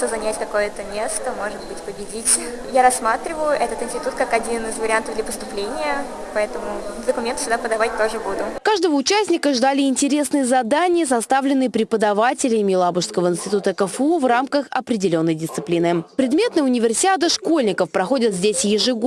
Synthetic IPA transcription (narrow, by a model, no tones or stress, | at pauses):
t̪ozɐnʲætʲkɐko̞jət̪ənʲesk̪əmo̞ʐɨt̪̚bɨtʲpəbʲɪdʲitʲ | jaɾɐsmat̪ɾʲɪvəjʊʔɛt̪ət̪ɪnsʲtʲɪ̥t̪ut̪̚kakɐdʲinɨzvəɾʲɪant̪əvd̪lʲəpəst̪ʊplʲenʲɪjə | pɐɛt̪əmʊd̪əkʊmʲent̪sʲʊɡd̪apəd̪ɐvat̚ʲt̪oʐɨbud̪ʊkaʐd̪əvəʊt͡ɕæsʲnʲɪkəʐd̪alʲɪɪnʲtʲɪɾʲe̞snɨjəzɐd̪anʲɪjəsɐst̪avlʲɪnːɨjəpɾʲɪpəd̪ɐvatʲɪlʲɪmʲɪlˠabʊʂskəvəɪnsʲtʲɪt̪ut̪əkəfuvramkəxɐpɾʲɪdʲɪlʲo̞nːəjdʲɪst̪sɨplʲinɨpɾʲɪd̪mʲe̞t̪nɨjʊnʲɪvʲɪrsʲɪtʲat̪ɨʂko̞lʲnʲɪkəfpɾɐxo̞dʲɪt̪zʲdʲesʲjɪʐɨɡ